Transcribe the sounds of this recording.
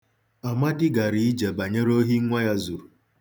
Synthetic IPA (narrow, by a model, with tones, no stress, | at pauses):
a˨ma˦dɪ˦ɡa˨ɾi˨i˦d͡ʒa˨ba˨ɲe˦ɾo˦ɦi˦ŋʷa˦ja˦zu˨ɾu˨